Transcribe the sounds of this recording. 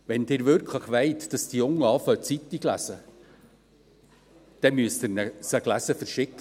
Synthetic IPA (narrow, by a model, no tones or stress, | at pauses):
ʋɛndɪːɾʋɪɾkʰləχʋeɪtd̥ɑsd̥ijʊŋːəɑːfœt͡sitiɡlæ̰sə | d̥ɛmyəstɪnəsəɡlæsəfəɾʃɪkːə